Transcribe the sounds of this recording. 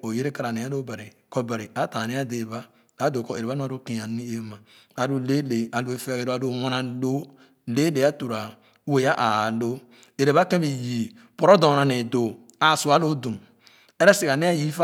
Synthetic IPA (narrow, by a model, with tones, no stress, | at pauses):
o˨je˦ɾe˦ka˨ɾa˨ne˨a˦lo˦be˨ɾi˨ | kɔ˦be˨ɾi˨a˨˦ta˨ne˦a˦de˨ba˦ | a˨˦do˨kɔ˦˨e˨ɾe˨βa˦u˦a˨ɾo˦kĩ˨a˨n˦i˦e˦ma˨ | a˨du˦le˦le˨a˨lo˦e˦fe˦˨ɾo˦a˨do˦˨wã˦na˨lo˦ | le˦le˨˦a˦tu˨ɾa˨˦ | we˨ja˦ʔa˨lo˦ | e˨ɾe˨βa˦kẽ˦bi˨ji˨ | pɔ˨ɾɔ˦dɔ˨na˨ne˨do˨ | a˨su˨a˦lo˦dũ˨ | e˦ɾɛ˦si˨ka˨ni˦a˦ji˦fa˦